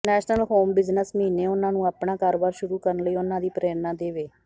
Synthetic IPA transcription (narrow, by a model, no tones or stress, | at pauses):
nɛːʃnəlɦoːmbɪznəsməɦiːneːʊnãːnũːaːpnaːkaːɾoːbaːɾʃʊɾuːkəɾənləiːʊnãːd̪iːpɾeːɾnaːd̪eːʋeː